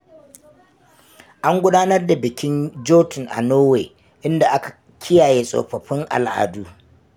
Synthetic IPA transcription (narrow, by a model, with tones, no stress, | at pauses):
ʔa˦ŋɡʷʊ˦daː˦nɐ˦rda˨bɪ˨kʲɪ˦nd͡ʒoː˦tɪ˨ŋʔa̰˨noː˦weː˨ | ʔɪ˦nda˨ʔa˦kḁ˨ | kʲʰɪ˦jaː˨jeː˦sʼo̰˨ɸɐ˨ɸɪ˦ŋʔa̰˨lʔa̰ː˨duː˦